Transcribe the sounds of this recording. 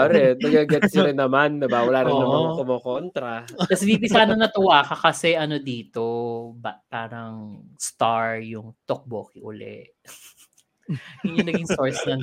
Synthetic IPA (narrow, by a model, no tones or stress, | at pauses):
aɾɛnɐɡɐɡɛt̪ʃɐɾɪnːɐmanːɐbawɐlaːɾɪnnɐmaŋkomokont̪ɾɐkɐsbiːbisaːnɐnɐt̪ɐwaːkɐkɐsɛʔɐno̞d̪iːt̪obɐpaːɾɐŋst̪aɹjʊŋt̪ok̚boːkiʔʊ̰lɛ̰ʔ | jʊnjɐŋnɐɡɡiŋsoɹsnɐ